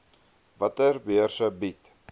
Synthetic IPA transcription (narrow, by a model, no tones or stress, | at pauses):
vɐtərbiərsəbit